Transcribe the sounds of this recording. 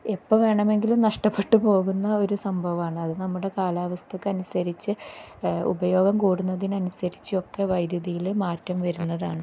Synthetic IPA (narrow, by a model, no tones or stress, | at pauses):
epːɐʋe̞ːɳɐme̞ŋɡilumnɐʂʈɐpːe̞ʈːɨpo̞ːɣunːɐo̞ɾusɐmbʱɐʋɐaːɳɨɐðɨnɐmːuɽe̞kaːlaːʋɐst̪ʰɐkːɨɐnusɐɾit͡ɕːɨ | ṵbɐjo̞ːɡɐmkuːɽunːɐðinɐnusɐɾit͡ɕːɨo̞kːe̞ʋɐjd̪jɐðijilmaːtːɐmʋɐɾunːɐðaːɳɨ